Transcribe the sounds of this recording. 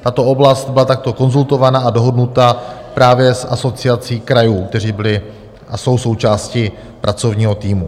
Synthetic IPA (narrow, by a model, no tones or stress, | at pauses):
t̪at̪o̞o̞blast̪̚bɪlat̪ak̚t̪o̞ko̞nzult̪o̞vanaadoɦo̞dnut̪apɾaːvjɛsʔa̰so̞t͡sɪat͡siːkɾajuːk̚t̪ɛr̝iːbɪlɪ | ʔaso̞wso̞wt͡ʃaːscɪ | pɾʔat͡so̞vɲiːɦo̞t̪iːmu